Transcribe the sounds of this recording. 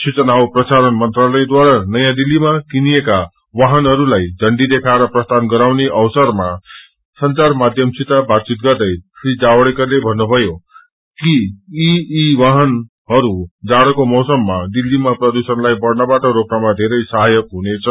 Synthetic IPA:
sʰut͡sʌnawprʌsaɾʌnmʌnt̪ralʌjd̪waɾanʌjãd̪ilːimakinijeka | waɦʌnɦʌɾulajd͡zʱʌɳɖid̪ekʰaɾʌprʌst̪anɡʌɾawneʔʌwsʌrma | sʌnt͡sarmad̪ʱjʌmsit̪abatt͡sit̪̚ɡʌrd̪ʌjsʰrid͡zawɽekʌrlebʱʌnːubʱʌjo | kiiiwʌɦʌn | ɦʌɾud͡zaɽʌkomʌsʌmːad̪ilːimaprʌd̪usʌnlajbʌrnʌbaʈʌɾoknamad̪ʱeɾʌjsʌɦajʌkɦunet͡sʰʌ

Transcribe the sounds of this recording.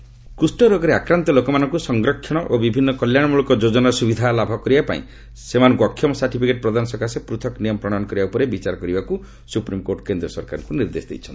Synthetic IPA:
kusʈɔɾɔɡɔɾeakɾant̪ɔlokɔmanɔŋkusɔŋɡɾɔkʰːɔɽ̃ɔʔobibʱinːɔkɔljaɽ̃ɔmuɭɔkɔd͡ʒod͡ʒɔnaɾsubid̪ʱalabʱɔkɔɾibapa̰ḭ̃ | semanɔŋkuɔkʰːjɔmɔsaɾʈipʰikeʈ̚pɾɔd̪anɔsɔkasepɾut̪ʰɔknijɔmɔpɾɔɽ̃anɔkɔɾibaupɔɾebit͡ʃaɾɔkɔɾibaku | supɾimkoɾʈɔ̥kend̪ɾɔsɔɾkaɾɔŋkuniɾd̪esd̪ḛjt͡ʃʰɔnt̪i

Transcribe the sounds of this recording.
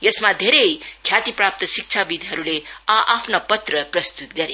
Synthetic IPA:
jʌsmad̪ʱeɾejkʰjat̪iprap̚t̪ʌsik̚t͡sʰabid̪ʱiɦʌɾuleʌʔapʰnopʌt̪rʌprʌst̪ut̪̚ɡʌɾe

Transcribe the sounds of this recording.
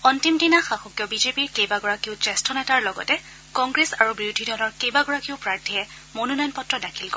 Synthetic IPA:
ɔntimtinaxaxukjɔbizepiɹkejbaɡɔɹakiʊt͡ʃɛstʰɔnɛtaɹlɔɡɔ̰tɛ | kɔŋɡɹesaɹubɹiwdʱidʱɔlɔɹkejbaɡɔɹakiʊpɹaɹtʰiɛ | monunɔjɔnpɔtɹɔdakʰilkɔ

